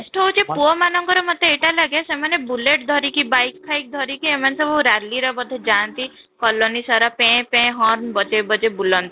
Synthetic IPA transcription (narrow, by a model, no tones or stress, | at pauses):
sʈɔut͡ʃʰepuɔmanɔŋkɔɾɔmət̪ːeeʈalaɡesemanebuleʈ̚d̪ʱɔɾikibajkʰːajk̚d̪ʱɔɾikiemansɔbuɾaɾliɾɔbɔd̪ʱed͡ʒant̪i | kɔlɔnisɔɾapẽpẽɦɔɾnbɔd͡ʒebɔd͡ʒebulɔnt̪i